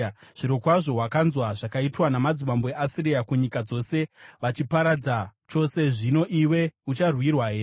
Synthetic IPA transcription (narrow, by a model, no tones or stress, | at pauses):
ʐ̥iɾo̞kwaʐo̞ɦwakanzwaʐakaitwanamad͡zimamboeʔasiriakuɲikad͡zo̞se̞ʋat͡ʃipaɾad͡zat͡ʃo̞se̞ʐino̞ʔiwe̞ut͡ʃarwirwaɦe̞ːre